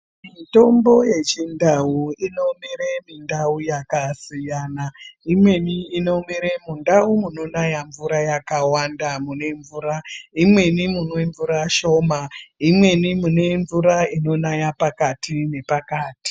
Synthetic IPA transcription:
mito̞mbo̞je̞t͡ʃindauino̞miɾe̞mindaujakasijaːnaimwe̞niːno̞miɾemundaumuno̞najaɱvuɾajakawandamune̞ɱvuːɾaimwe̞nimunweɱvuɾaʃo̞ːmaimwe̞nimune̞ɱvuɾaino̞najapakatʰine̞pakaːti̥

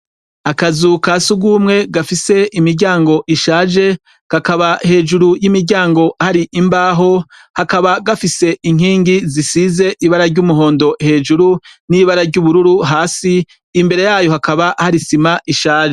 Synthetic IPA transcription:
akazukasuɡumŋe̞ɡafise̞ʔimiɾɟaːŋɡo̞ʔiʃaːʒe̞ | kakaβahe̞ːʒuɾujimiɾɟaːŋɡo̞ʔahaɾiʔimbaːɦo̞ | hakaβaɡafise̞ʔiŋ̥iːŋɡizisize̞ʔiβaɾaɾɟuːmuɦo̞ːndo̞he̞ːʒuɾuniβaɾaɾɟuːβuɾuɾuɦaːsiː | mbe̞ɾe̞jaːjo̞hakaβahaɾisimaʔiʃaːʒe

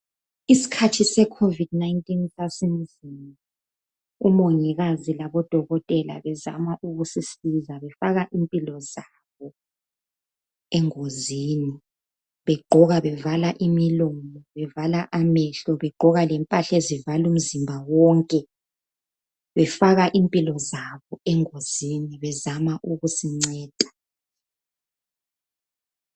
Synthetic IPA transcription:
isi̥kʰatʰisɛkʰovidnaintʼinsasim̩zima | umoŋiɣazilaβɔd̥ʱɔɣɔtʼɛla̰βɛza̰maʔuɣusisizaβɛfaɣaʔimpʼilɔza | βɔ | ɛŋoziːni | βɛɡ͡ǃʱɔɣaβɛvalaʔimilɔmɔβɛvalaʔamɛɬɔβɛɡ͡ǃʱɔɣalɛmpʼaɬezivalum̩zimbʱawɔŋkʼɛ | βɛfaɣaʔimpʼilɔzaβɔɛŋoziniβɛzamaʔuɣusiŋ͡ǀɛːd̥ʱḁ

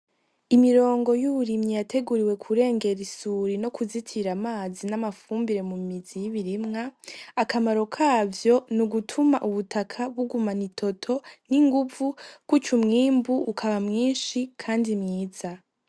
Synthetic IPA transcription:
imiɾo̞ːŋɡo̞juβuɾimɲijatʰe̞ɡuɾiwe̞kʰuɾe̞ːŋɡe̞ɾisuːɾino̞kʰuzitʰiɾamaːzinamafuːmbiɾe̞mumizijiβiɾimŋaːkamaɾo̞kʰaːvjo̞nuɡutʰumaʔuβutʰakʰaβuɡumanitʰo̞tʰo̞niŋɡuvukwut͡ʃumŋiːmbuːkʰaβamŋiːnʃikʰaːndimŋiːz̥a

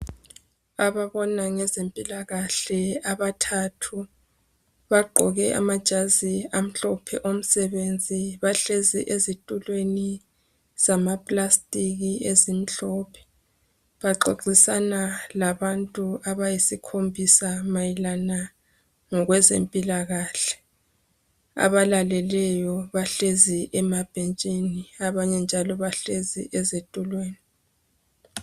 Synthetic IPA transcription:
aβaβɔnaŋɛzempʼilaɣaɬɛaβatʰatʰu | βaɡ͡ǃʱɔɣɛʔa̰mad̥ʒ̥ʱaziam̩ɬɔpʰɛ̰ʔom̩sɛβend͡zʱiβaɬezḭʔezitʼulweni | z̥amapʼlastʼiɣiezim̩ɬɔpʰɛ̥ | βaǃo̰ǃisanalaβantʼuaβajisikʰombʱisamajilana | ŋɔɣwɛzḛmpʼilaɣaːɬɛ̥ | a̰βalalɛlɛjɔβaɬeziʔɛmab̥ʱent͡ʃʼiniaβaɲɛnd͡ʒʱalɔβaɬezḭʔezetʼulweːni

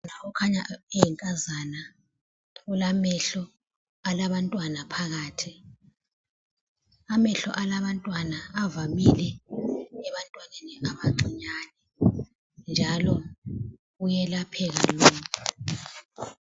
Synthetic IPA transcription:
naɔkʰaɲaejiŋkʼazana | ulamɛɬɔ | alaɓantʼwanapʰaɣaːtʰi | amɛɬɔ̰ʔalaɓantʼwanaːvamilɛ | ɛɓantʼwanenɛŋaɓaɡ͡ǀʱiɲaːnɛ | nd͡ʒʱalɔ | ujɛlapʰɛɣ̬alɔːkʰu

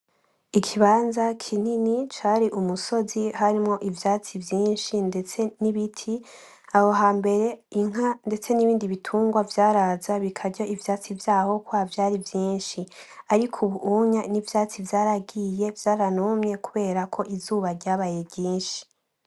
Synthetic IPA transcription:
ikʰiβaːnzakʰininit͡ʃaːɾiʔumuso̞ziɦaɾimŋo̞ʔivjaːt͡sivjiːnʃindet͡se̞niβitʰi | aho̞ɦaːmbe̞ɾe̞iŋ̥ɦande̞t͡se̞niβiːndiβitʰuːŋɡwavjaːɾazaβikʰaɾɟoivjaːt͡sivjaːho̞kwavjaːɾivjiːnʃiaɾikʰuβuʔuɲanivjaːt͡sivjaːɾaɡije̞vjaːɾanumɲe̞kuβe̞ːɾakʰo̞ʔizuːβaɾɟaːβaːje̞bɟiːnʃi̥

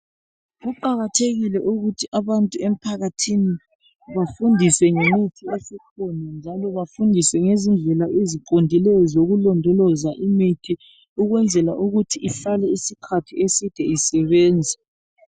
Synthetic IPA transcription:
ɣuǃaɣatʰeɣilɛʔuɣutʰiʔaβantʼuem̩pʰaɣatʰini | βafundʱiswɛŋemitʰiesikʰɔnand͡ʒʱalɔβafundʱisɛŋezind͡ɮʱɛlaʔeziǃondʱilɛjɔzoɣulɔndʱɔlɔzaʔimitʰi | uɣwɛnd͡zʱɛlaʔuɣutʰiʔifalɛisikʰatʰiesid̥ʱɛisɛβɛːnd͡zʱɛ

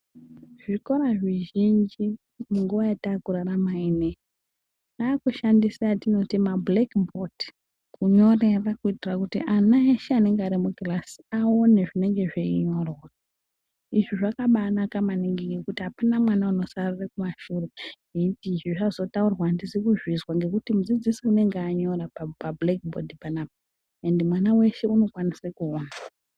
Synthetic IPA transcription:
ʐ̥iko̞ɾaʐiʒind͡ʒi | muŋɡuʋajataːkuraramaine | naːkuʃandisajatino̞timablekboti̥ | kuɲo̞re̞rakuitirakutḭʔanaeʃeane̞ŋɡaɾimuɡlasi̥aoneʐine̞ŋɡe̞ʐeiɲo̞rora | iʐiʐakaɓanakamaniŋɡiɡekutiɦapanamwanauno̞sarurekumaʃuːre | iitiːʐiʐazo̞taurwaːndizikuzwizwaŋɡe̞kutimud͡zid͡zisiune̞ŋɡeaɲo̞rapapablekbo̰dipanaːpo | e̞ndemwanawe̞ʃe̞uno̞kwanisrekuoːna

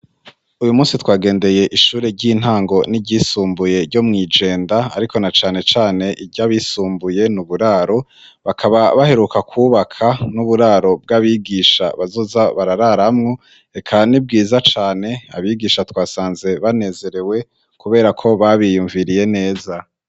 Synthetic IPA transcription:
ujumuːsitwaːɡe̞ːnde̞je̞ʔiʃuːɾe̞ɟin̥haːŋɡo̞niɟisuːmbuje̞ɾɟo̞mŋiːd͡ʒe̞ːndaa̰ɾikonat͡ʃaːne̞t͡ʃaːne̞ʔiɟaβisuːmbuje̞nuβuɾaːɾo̞ | βakʰaβaβahe̞ɾukakʰuːβakʰanuβuɾaːɾo̞b̚ɡaβiɡiːʃa̰βazo̞zaβaɾaɾaɾamŋo̞ | e̞kʰanib̚ɡiːzat͡ʃaːne̞a̰βiɡiʃatwaːsaːnze̞βane̞ːze̞ɾe̞we̞ | kuβe̞ːɾakʰo̞βaβijuːɱviɾije̞ne̞ːza

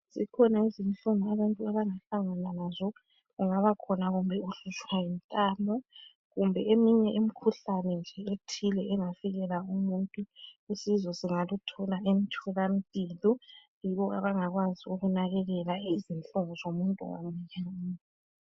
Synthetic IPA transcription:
zikʰɔnaizinɬʼuŋɔaβantʼuaβaŋaɬaŋananazɔ | ɣuŋaβakʰɔnaɣumbʱɛuɬut͡ʃwaim̩tʼaːmɔ | ɣumbʱɛemiɲɛʔim̩kʰuɬanɛnd͡ʒʱɛetʰilɛʔɛŋafiɣɛlaumuntʼuesizɔsiŋalutʰɔlaʔemitʰulamipʼilɔ | jiβɔa̰βaŋaɣwaziuɣunaɣɛɣɛlaizint͡ɬuŋɔzomuntʼṵwa̰muɲaːni

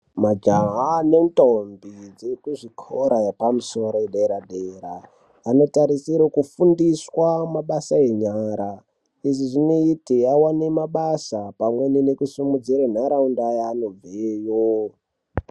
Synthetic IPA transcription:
mad͡ʒaɦanentombid͡zekuʐikʰoɾajepamuso̞ɾoeɗeɾaɗeɾa | ano̞taɾisiɾokufundiswamaɓasae̞ɲaɾa | iʐiʐinoitiawanemaɓasapamwe̞ninekusimud͡ziɾan̤aɾaundajaːno̞b͡vejo

